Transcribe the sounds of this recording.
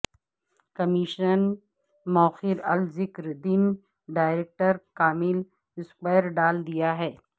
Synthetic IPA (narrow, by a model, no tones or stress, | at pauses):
kɐmɪʃnən | mɔːxɪɾɐlzɪkɾd̪in | ɖaːɪɾeːk̚ʈəɾkaːmɪl | ɪspaɪɾɖaːld̪ijaɦɛː